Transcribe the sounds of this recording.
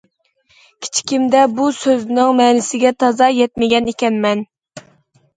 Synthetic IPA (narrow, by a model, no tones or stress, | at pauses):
kʲʰi̥t͡ʃʰi̥kʲimd̪ɛbusøznɪŋmɛːnɪsɪɡʲɛt̪ʰɑzɑjɛt̪̚mɪɡʲɛnekʲɛnmɛn